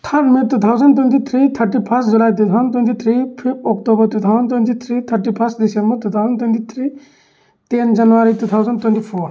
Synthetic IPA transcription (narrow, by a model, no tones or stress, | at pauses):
t̪ʰɐmiɾt̪ut̪ʰawzənt̪̬went̪it̪ʰɾit̪ʰəɾʈipʰəsd͡ʒulait̪̬ut̪ʰaʊənt̪wẽnt̪it̪ʰɾipʰipɔk̚tobɐɾt̪ut̪ʰawzənt̪went̪it̪ʰɾiːt̪ʰəɾʈipʰɐstd̪isemmət̪ut̪ʰawzənt̪went̪it̪ʰɾiː | t̪end͡ʒɐnʋaɾit̪ut̪ʰawzənt̪wɛnt̪ipʰoːɾ